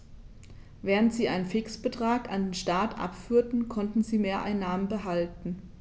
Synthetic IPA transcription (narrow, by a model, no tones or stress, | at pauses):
vɛːʁ̞əntz̥iːʔaɪnənfɪksb̥ətʁ̥aːkandeːnʃtaːtʰʔa̰pfyːɐtn̩kʰɔntn̩ziːmeːɐʔaɪnːaːmənbəɦaltn̩